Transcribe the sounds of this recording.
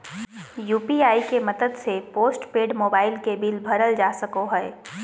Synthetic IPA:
juːpiaːikemɐd̪əd̪sepoːsʈpeːɖmoːbaːɪlkebilbʱɐɾəld͡ʒaːsəkoɦɛe

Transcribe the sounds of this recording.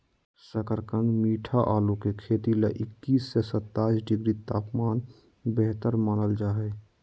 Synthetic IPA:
səkəɾkənmiːʈʰaʔaːlukekʰeːt̪ileʔɪkːiːsːesət̪ːaːisɖɪɡɾit̪aːpmaːn | bɛɦt̪əɾmaːnəld͡ʒaːɦɛ

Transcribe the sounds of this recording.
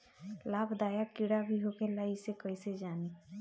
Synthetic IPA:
laːbd̪aːjakiɽabʱiɦoːkelaːisekəised͡ʒaːni

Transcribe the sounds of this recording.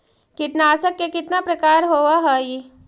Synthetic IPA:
kit̪naːsəkːekit̪napɾəkaːɾɦoʋaɦəi

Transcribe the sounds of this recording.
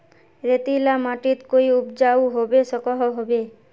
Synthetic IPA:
ɾet̪ilamaʈit̪koiupd͡ʒawɦobesɔkɔɦɔɦobe

